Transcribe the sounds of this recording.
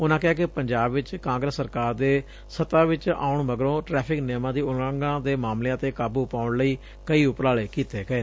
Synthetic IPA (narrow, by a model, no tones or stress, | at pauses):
ʊnãːkɪɦaːkepəɲd͡ʒaːbʋɪt͡ʃkãːŋɡɾəsːəɾkaːɾd̪eː | sət̪ãːʋɪt͡ʃa̰ːʊɳməɡɾõːʈɾɛːpʰɪkneːmãːd̪iːʊlaŋɡãːd̪eːmaːmleãːt̪eːkaːbuːpaːʊɳləiː | kəiːʊpəɾaːleːkiːt̪eːɡəeː